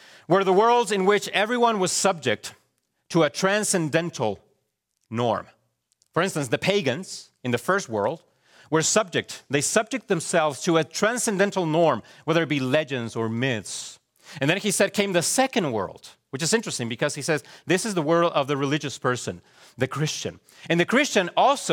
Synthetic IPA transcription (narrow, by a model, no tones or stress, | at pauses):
wə˞ðəwɜ˞lˠdzɨ̃nwɪt͡ʃɛvɹiwʌ̃nwʌz̥sʌb̚d͡ʒɪk̚t | tʰəːtʰɹ̥æ̃nsɨ̃ndɛ̃ntʰl̩ˠ | nɔ̰ɹm | fə˞ɪ̃nstɨ̃nsðɨpʰeɪɡɨ̃nz̥ | ɨ̃nðɨfɜ˞st̚wɜ̰˞lˠd̚ | wə˞sʌb̚d͡ʒɨk̚t̚ðeɪsʌb̚d͡ʒɨk̚t̪̚ðɨ̃msɛlˠvz̥tʰɨɨtʰɹ̥æ̃nsɨ̃ndɛ̃ntˡl̩ˠnɔɹmwɛðə˞ɨt̚b̥ilɛd͡ʒɨ̃ndzə˞mɪθs | ɨ̃nðɨ̃nisɛd̚kʰẽɪ̃mðɨsɛkɨ̃nd̚wɜ̰˞lˠd̥ | wɨt͡ʃɨzɪ̃nt͡ʃɹ̥ɨstɪ̃ŋbɨkʰʌz̥isɛzðɪsɨzðəwɜ˞lˠdʌvðɨɹɨlɪd͡ʒɨspʰɜ˞sɨ̰̃n | ðɨkʰɹ̥ɪst͡ʃɨ̰̃n | ɨ̃nðɨkʰɹ̥ɪst͡ʃɨ̃nɔlˠso